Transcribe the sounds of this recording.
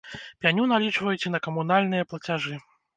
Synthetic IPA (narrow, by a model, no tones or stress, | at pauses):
pʲanʲunalʲit͡ʂvɐjut͡sʲɛnɐkɐmun̪alʲnɨjɐplˠɐt͡sʲaʐɨ